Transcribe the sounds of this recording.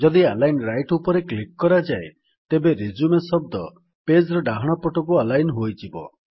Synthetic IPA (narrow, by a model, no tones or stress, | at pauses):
d͡ʒɔd̪ialajnɾajʈupɔɾeklikːɔɾad͡ʒae | t̪ebeɾid͡ʒumesɔb̚d̪ɔ | ped͡ʒɾɔɖaɦɔɽ̃ɔpɔʈɔk̬ualajnɦojtʰibɔ̰